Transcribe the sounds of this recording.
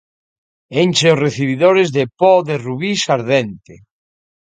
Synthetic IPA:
enʲt͡ʃeosreθiβ̞iðoɾezðepɔðeruβisaɾðent̪e

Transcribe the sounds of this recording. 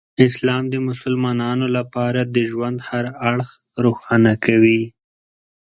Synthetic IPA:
ɪslɑmd̪əmʊsʊlmɑnɑnolapɑɾad̪əʒwand̪haɾaɽxɾoxɑnakʰawi

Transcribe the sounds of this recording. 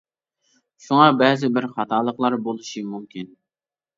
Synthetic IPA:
ʃuŋɑbɛzɪbɪɾχɑt̪ʰɑːlˠəqlˠɑɾbolˠuʃimumkʲin

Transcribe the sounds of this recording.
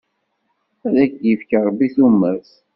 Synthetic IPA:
æðækdifkəɾˤbiθumːæɾθ

